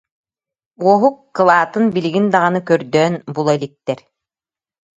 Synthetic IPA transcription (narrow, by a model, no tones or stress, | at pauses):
uɔɦukːɯlˠaːt̪ɯnbiliɡind̪aʁanɯkœɾd̪œːnbulˠɔilik̚t̪ɛɾ